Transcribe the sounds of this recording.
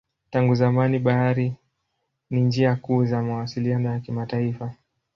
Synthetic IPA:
taŋɡuzamaniɓaaɾi | nind͡ʒiakuːzamawasilianɔjakimataifa

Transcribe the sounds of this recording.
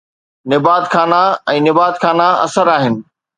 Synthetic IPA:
nɪbaːd̪xʰaːnaɛ̃ːnɪbaːd̪xʰaːnaɐ̰səɾaːɦɪnɪ̆

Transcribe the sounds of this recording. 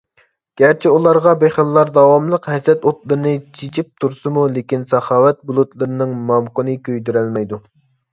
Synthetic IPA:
ɡ̥ʲæɾt͡ʃʰiulˠɑɾʁɑbeχəlːɑɾd̪ɑwɑmlˠəqɦɛsɛt̪ot̪lˠɨɾɨnɨt͡ʃʰit͡ʃʰip̚t̪ʰuɾsɨmulekʲinsɑχɑːwɛt̪̚bulˠut̪lˠɨɾɨnɨŋmɑmqənɨkʲʰøjd̪yɾælmɛjd̪u

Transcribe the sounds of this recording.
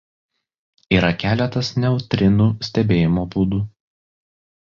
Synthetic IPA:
iːɾɐkʲæːlʲɛt̪ɐsnʲɛʊt̪ʲɾʲɪnuːsʲt̪ʲɛbʲeːjɪmoːbuːd̪uː

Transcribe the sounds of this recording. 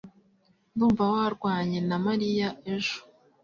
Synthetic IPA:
nduːɱvawaaɾɡwaːɲe̞namaɾijae̞ʒo̥

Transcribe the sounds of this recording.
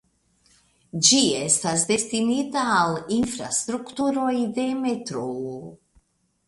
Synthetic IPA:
d͡ʒiɛst̪azd̪est̪init̪alinfɾa̰st̪ɾukt̪uɾoid̪emet̪ɾo

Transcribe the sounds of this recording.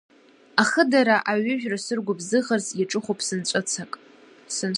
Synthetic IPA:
aχədaɾaʔaɥʏʒᶣrasɨrɡʷʊbzɨʁarzjaʈ͡ʂʼɨχʷopʰʼsɨnt͡ʃʷʼɨt͡sʰakʼ | sɨn

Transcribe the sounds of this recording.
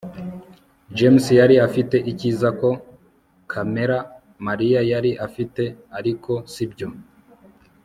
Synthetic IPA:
d͡ʒemsjaɾiafite̞ʔicizako̞ | kʰame̞ɾa | maɾijajaɾiʔafite̞aɾiko̞sibjo̞

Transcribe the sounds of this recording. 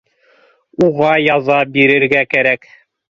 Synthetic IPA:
uʁɑjɑðɑbiɾɘ̆ɾɡækæɾæk

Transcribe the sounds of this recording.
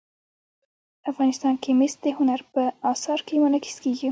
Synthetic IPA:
afɣɑnɪst̪ɑnkemest̪̚d̪əɦʊnaɾpəɑsɑɾkemʊnakɪ̥skeɡi

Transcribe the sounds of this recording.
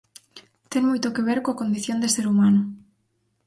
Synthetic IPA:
t̪ɛŋmojt̪okeβeɾkoakond̪iθjond̪eseɾumãnʊ

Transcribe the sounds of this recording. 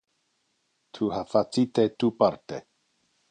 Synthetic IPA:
t̪ʰuhafat͡sit̪et̪upaɾt̪e

